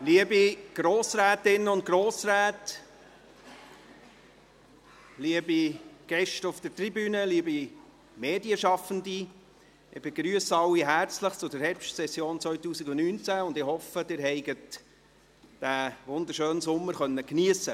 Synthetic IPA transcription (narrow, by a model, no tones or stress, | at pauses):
liəbiɡ̥ɾoːsɾæːt̪ɪnːəʊnt̚ɡroːsɾæːt | liəbiɡ̥ɛʃtəʊfd̥əɾtribyːnəliəbi | meːdiəʃɑfəndi | ɪb̥eɡɾyːəsɑlːiɦæɾt͡sləχt͡sʊd̥əɾɦɛɾpʃtsɛsjoːnt͡svœɥtuːsiɡʊnnyːnt͡sæʊndɪhɔfəd̥ɪːɾɦɛɪɡət | d̥æʋʊnd̪əɾʃøːnsʊmːəɾχœnːəkniəsə